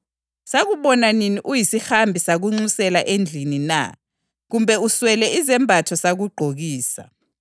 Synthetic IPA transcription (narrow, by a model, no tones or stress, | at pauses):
saɣuɓɔnaniniʔujisixambʱisaɣuŋ͡ǀusɛlaʔend͡ɮʱinina̰ | ɣumbʱɛuswɛlɛizɛmbʱatʰɔsaɣuɡ͡ǃʱoɣiːsa̰